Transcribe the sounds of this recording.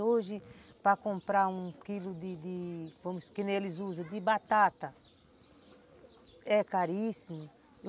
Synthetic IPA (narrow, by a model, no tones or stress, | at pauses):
oʒɪpɾɐkõmpɾaũkilʊd̪ɪd̪ɪvõmʊskẽnelɪzuzɐ̃d̪ɪbat̪at̪ɐ | ɛkaɾisimʊ